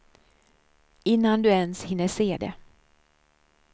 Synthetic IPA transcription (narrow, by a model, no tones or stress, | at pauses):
ɪnːand̪ɵɛnshɪnːəʂeːd̪ɛ̰